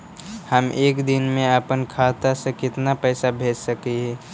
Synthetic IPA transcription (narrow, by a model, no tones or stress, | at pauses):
həmeːkd̪ɪnmẽəpənkʰaːt̪asekɪt̪napɛːsabʱeːd͡ʒsəkiɦɛ̃ː